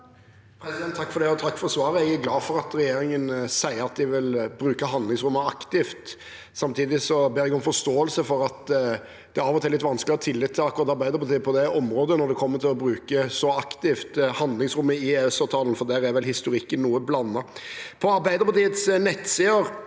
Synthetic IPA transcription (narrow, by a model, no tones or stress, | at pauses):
pʰɾɛsɪd̪ɛnt̪ʰːɑkːfɔɾd̪ɛɔt̪ʰɑkːfɔɾsʋɑːɾəææɡlɑːfɔɾɑt̪ɾɛjeːɾɪŋənsæɪəɾɑt̪̚d̪ɪʋɪlbɾʉːkəɦɑnd̪lɪŋsɾʊmːəɑkt̪ɪft̪ | sɑmt̪ʰiːd̪ɪsɔbeːɾɛɡɔmfɔst̪oːəlsəfɔɾɑt̪ | d̪̥ɛæɾɑːʋɔt̪ʰɛːlɪt̪ʋɑnsklɪəʁət̪ʰɪlːɪt̪ʰːɪlɑkːʊɾʁɑt̪ːɑɾbæɪd̪əɾpɑt̪ʰiːəpʰɔd̪ɛʔɔmɾoːd̪ənɔɾd̪ɛkʰɔmːəɾt̪ʰɪlɔbɾʉːkəsɔɑkt̪ɪft̪hɑnd̪lɪŋsɾʉmːəɪeɛsɑt̪ʰɑːlən̩fɔd̪æːɾæɾʋɛlhɪst̪ʊɾɪkːənːuːəblɑnːɑpʰɔɑɾbæɪd̪əpʰɑt̪iːət̪snɛt̪ːsiːəɾ